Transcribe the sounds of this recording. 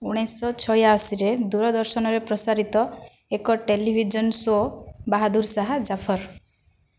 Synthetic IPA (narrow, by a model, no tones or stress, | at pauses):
uɽ̃ajsːɔt͡ʃʰɔjasiɾed̪uɾɔd̪ɔɾsɔnɔɾepɾɔsaɾit̪ɔ | ekɔʈelibʱid͡ʒɔnsobaɦad̪uɾsaɦad͡ʒapʰɔɾ